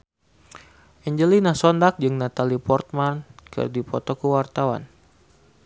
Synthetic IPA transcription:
ʔɛɲd͡ʒəlinahsɔndak̚d͡ʒɨŋnat̪alipɔrt̪̚mankə̰rdipɔt̪ɔkəwart̪awa̰n

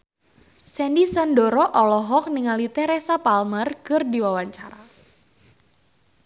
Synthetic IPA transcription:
sɛndisandɔɾɔʔɔlɔɦɔk̚niŋalit̪ɛɾesapalmərkɨrdiwawaɲt͡ʃaɾa

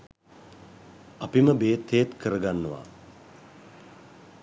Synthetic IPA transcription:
apiməbeːt̪ʰːeːt̪kəɾəɡanːəʋa̰

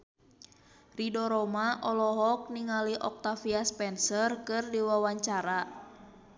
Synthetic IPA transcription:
ridɔɾɔmaʔɔlɔɦɔk̚niŋaliʔɔk̚t̪afiaspɛnsərkɨrdiwawaɲt͡ʃaɾa

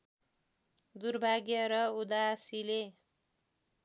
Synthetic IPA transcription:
d̪urbʱaɡjʌɾʌud̪asile

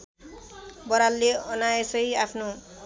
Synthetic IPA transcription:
bʌɾalːeʌnaesʌjapʰno

